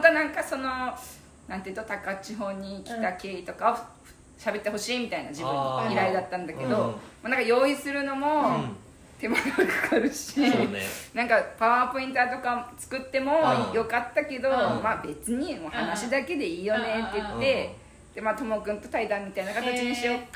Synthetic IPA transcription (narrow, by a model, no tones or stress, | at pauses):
õt̪anãŋkaso̞no̞ | nãnt̪eɯiɯt̪ot̪akat͡ɕiɦo̞ːɲ̟ːikʲi̥t̪ake̞ːit̪o̞kao | ɕabe̞t̪ːeɦo̞ɕiːmʲit̪ainad͡ʑibɯ̟̃niɾaid̪at̪ːãnd̪ake̞d̪o̞manãŋkajo̞ːisɨɾɯ̟no̞mo̞ | t̪e̞manokʰḁkʰaɾɯ̟ɕinãŋkapaβapo̞ĩnt̪at̪o̞kat͡sɨ̥kɯ̟t̪ːe̞mo̞jo̞kat̪ːake̞d̪o̞maːbe̞t͡sɨɲ̟imohanaɕid̪ake̞d̪e̞iːjo̞ne̞t̪ːe̞jɯt̪ːe̞ | d̪̥emat̪o̞mokɯ̟̃nt̪o̞̥t̪aid̪ãmːʲit̪ainakat̪at͡ɕiɲiɕio̞